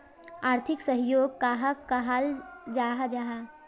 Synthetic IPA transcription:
aːɾt̪ʰɪksəɦjoːɡ̚kaːɦakaɦald͡ʒaːɦad͡ʒaɦa

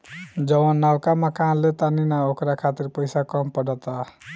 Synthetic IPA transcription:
d͡ʒəwanːawkaməkanlet̪aninaokɾakʰat̪iɾpəjsakɔmpəɽɔt̪a

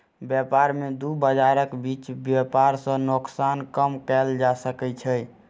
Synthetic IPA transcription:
bjɛpaɾmed̪ubəd͡ʒaɾəkbit͡ʃbjɛpaɾsə̃noksankəmkɛld͡ʒasəkɛt͡ʃʰəj

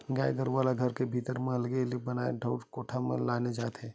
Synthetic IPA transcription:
ɡaːjɡəɾʋaːlaɡʱɐɾkebʱiːt̪əɾmẽɐlɡelibɐnaːḛɖʱəːʈkoːʈʰamḛ̃laːned͡ʒaːt̪ɦɛː

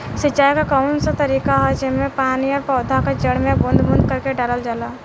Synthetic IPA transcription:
sɪt͡ʃaːjkakaʊnsat̪ɐɾiːkaɦɛd͡ʒɪɦmẽpaːniɔːɾpɔːd̪ʱakad͡ʒəɽmẽbə̃nd̪ʱbə̃nd̪̚kəɾkeɖaːləld͡ʒaːlaː

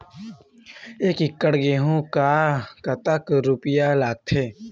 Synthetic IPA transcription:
eːkɪkːəɽɡeːɦõkakɐt̪əkɾʊpɪjalaːɡ̚t̪ʰeː

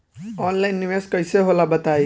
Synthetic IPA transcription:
ɔnlanːiʋeskʌjseɦolabət̪aj

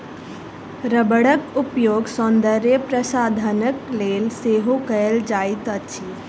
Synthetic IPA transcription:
ɾəbəɽəkupjoːɡsɔnd̪əɾepɾəsad̪ʱənəklelseɦokəeld͡ʒajt̪ət͡ʃʰi

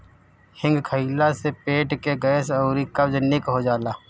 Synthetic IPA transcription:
hɪ̃ŋɡkʰəilasepeːʈkeɡɐsɔːɾikɐbd͡ʒənikɦod͡ʒaːlaː

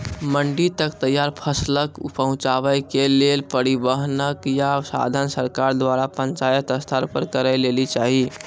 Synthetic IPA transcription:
məɳɖit̪əkt̪əjːaɾpʰəsləkpəɦũt͡ʃaʋəjkelelpəɾibəɦnəkjasa̰d̪ʱənsəɾkaɾd̪ʋaɾapənt͡ʃajət̪əst̪ʰəɾpəɾkəɾəjlelit͡ʃaɦi

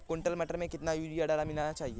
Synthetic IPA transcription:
kõːɳʈəlmɛʈəɾmẽkɪt̪najuːd͡ʒijaɖaːlamɪnaːnat͡ʃaːɦieː

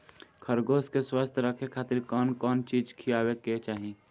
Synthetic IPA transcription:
kʰəɾɡoːskeswaːst̪ʰɾəkʰekʰaːt̪ɪɾkɔːnkɔːnt͡ʃiːd͡ʒkʰijaːweket͡ʃaːɦie

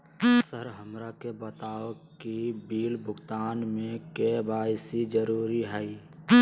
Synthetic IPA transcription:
səɾɦəmɾakebət̪aːokibiːlbʱʊɡt̪aːnmẽkebaːɪsid͡ʒəɾuːɾiɦɛi

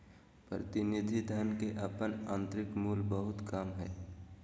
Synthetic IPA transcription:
pɾət̪ɪnɪd̪ʱid̪ʱənkeʔɐpənãːnt̪ɾɪkmuːlbəɦʊt̪kamɦɛ̰ː

